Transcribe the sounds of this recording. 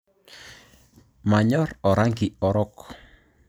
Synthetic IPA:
maɲɔrɔɾaŋɡiɔɾɔk

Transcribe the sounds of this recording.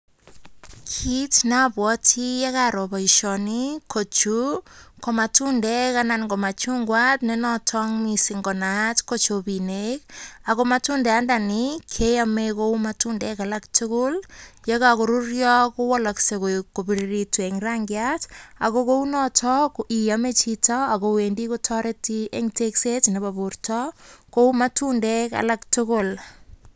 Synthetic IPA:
kʰitnabwɔtʰijakaɾɔbaiʃɔnikʰot͡ʃukomatundɛkanankomat͡ʃuŋɡwatnɛnɔtʰɔŋmisiŋɡɔnatkot͡ʃobinek̚akomatundɛandanikʰejamekowmatundɛkalak̚tukʊljakakoɾurjɔkuwɔlaksekokobiɾiɾitueŋraŋɡjata̰kokounɔtʰɔkijamet͡ʃitɔakowendikotʰɔɾetieŋteksetnebaburtɔkoumatundɛka̰laktʊkʊl

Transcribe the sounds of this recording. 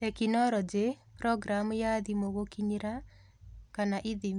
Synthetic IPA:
ekinɔɾɔd͡ʒepɾɔɡɾamjaðimoɣokiɲiɾa | kanaʔiði

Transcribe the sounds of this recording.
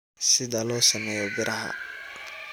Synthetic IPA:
sɪðɐlɔːsɐmɛːjɔbɪɾʔɐɦɐ̰

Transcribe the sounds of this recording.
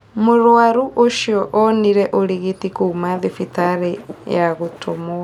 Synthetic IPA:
moɾwaɾuʔoʃiɔʔɔniɾɛʔoɾiɣetikoːmaðefitaɾejaɣotʰomoa

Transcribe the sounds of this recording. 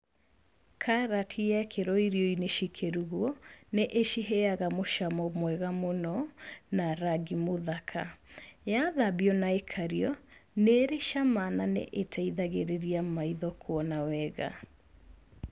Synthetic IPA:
kʰaɾatʰijɛkʰeɾɔiɾiɔineʃikʰeɾuɣwɔneʔeʃiɦeaɣamoʃamɔmwɛɣamonɔnaɾaɡimoðakʰajaðabiɔnaekʰaɾiɔneɾeʃamananḛʔetʰaiðaɣeɾeɾiamaiðɔkʰwɔnawɛɣa̰

